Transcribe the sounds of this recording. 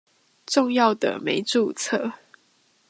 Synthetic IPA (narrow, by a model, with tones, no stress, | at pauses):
ʈ͡ʂʊ˥˧ŋjɑ˥˨ʊd̪ə̰˩me˨˧˦ɪʈ͡ʂu˥˨t͡sʰɤ˥˨